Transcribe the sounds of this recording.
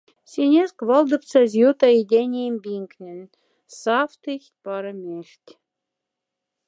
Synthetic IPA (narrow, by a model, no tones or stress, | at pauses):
sʲenʲeskβɑlˠd̪ɤ̆pt͡sɑzʲjot̪ɑedʲenʲejmbʲiŋknʲɘ̆nʲ | sɑft̪ɨxʲt̪̚ʲpɑɾɤ̆mʲeʃtʲ